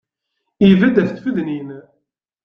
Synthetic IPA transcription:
ivæd̪æθθfəðnin

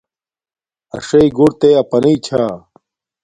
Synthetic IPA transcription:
ɐ̰ʂɐiɡoɽt̪eɐpɐnɐit͡ɕʰa

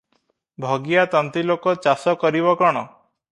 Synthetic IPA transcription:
bʱɔɡijat̪ɔnt̪ilokɔt͡ʃasɔkɔɾibɔkɔɽ̃ɔ

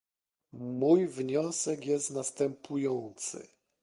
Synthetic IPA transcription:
mujvɲɔsɛkjɛst̪nast̪ɛmpʰujɔnt̪sɘ̰

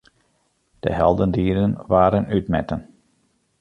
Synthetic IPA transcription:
d̥ə̰ɦɛlˠdəndiːɾənʋaːɾənytmɛtən

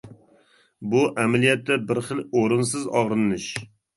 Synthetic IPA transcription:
buʔɛmɛlijɛt̪ːɛbɪɾχəloɾɨnsɨzɑʁɾɨnːɨʃ

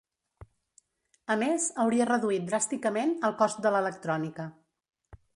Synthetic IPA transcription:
əmezəwɾiərəðuit̪̚d̪ɾast̪ikəmenəlˠkɔst̪̚d̪ələlək̚t̪ɾɔnikə

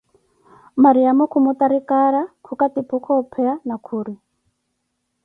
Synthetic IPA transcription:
maɾiamɔkʰumutaɾikaɾakʰukatipʰukʰɔupʰɛanakʰuːɾi

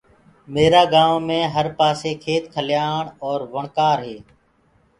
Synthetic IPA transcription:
meːɾaːɡaːʋːmẽːɦəɾpaːseːkʰeːt̪kʰəljaːɳɔːɾʋəɳkaːɾɦeː

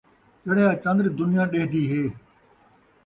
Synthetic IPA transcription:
t̪eɽeːãːt͡ʃə̃nd̪ɾd̪ʊnɪjãːɗeːɦd̪iːɦeː

